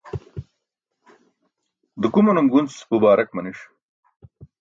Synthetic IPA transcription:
d̪əkumunɐmɡunt͡sbubaːɾɐk̚mɐniʂ

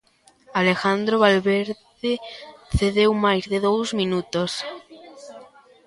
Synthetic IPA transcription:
alexand̪ɾoβalβeɾðeθeðewmajzðeðowzmĩnut̪os

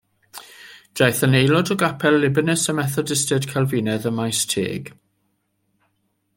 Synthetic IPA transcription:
d̥ajθənejlɔdɔɡapʰɛlːɪbənɛsəmɛθɔdɪstɛd̥kʰalˠvinɛðəmajstʰḛːɡ̥

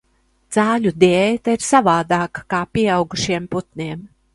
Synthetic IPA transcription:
d̪z̥aːlʲud̪ɛeːjt̪aiɾsavaːd̪aːkḁkaːpiɛawɡuʃiɛmput̪nʲiɛm

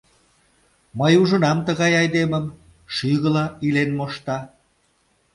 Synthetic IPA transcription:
məjuʒə̆nɑmt̪əɣɑjɑjd̪eməm | ʃyɣəlɑilenmoʃt̪ɑ

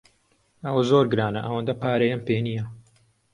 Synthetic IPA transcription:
ɐwɐzoːɾɡɨɾaːnɐʔɐwɐnd̪ɐpaːɾɐjɐmpeːnijɐ

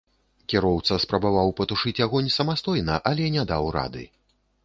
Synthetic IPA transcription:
kʲɛɾɔwt̪sɐspɾɐbavawpɐt̪uʂɨt͡sʲjaɣɔnʲsɐmast̪ɔjnɐʔɐlʲɛnʲɛd̪awɾa̰d̪ɨ̰

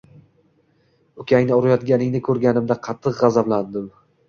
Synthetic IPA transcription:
ʊkʲaŋnɪʊɾajɒt̪̚ɡʲanɪŋnɪkʰɵɾɡʲanɪmd̪aqʰɑt̪ʰːɨqʁɑzabland̪ɪm

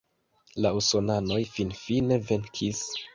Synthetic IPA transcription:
lauso̞nano̞jfinfine̞ve̞nkʰis

